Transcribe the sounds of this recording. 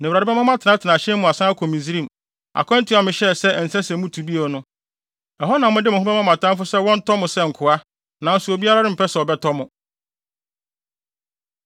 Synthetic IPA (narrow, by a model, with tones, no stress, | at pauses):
nɛ̃˨ɾa˨ɾɪ˦bɛ˦mã˦mã˦tʰɪ˨nã˦tʰɪ˨nã˨ɕɛ̃˦ʊ̃˨a˨sã˦a˦kʰɔ̃˨mĩ˨zi˦ɾĩ˦˨m | a̰˨kʰɔ̃˦n̩˦tʰɪ˨˦ɔ˨mɪ̃˨ɕɛ˦˨sɛ˦˨n̩˨sɛ˦sɛ̃˨˦mũ˦tʰu˨bi˦a˨nʊ̃˦ | ɛ˨ɦɔ˦nã˨mʊ̃˦dɪ˦m˨ʊ̃˨ɦʊ̃˦ɛ˦mã˦mã˨tʰã˦mfʊ˦sɛ˦wɔ̃˦n̩˦tʰɔ˦mʊ̃˨sɛ˦ŋ̩˨kʰʊ˨a˦ | nã˨n̩˨su˨o˨bi˦a˦ɾa˦ɾɪ˦m̩˨pɛ˦sɛ˨ɔ˨bɛ˦tʰɔ˦mʊ̃˨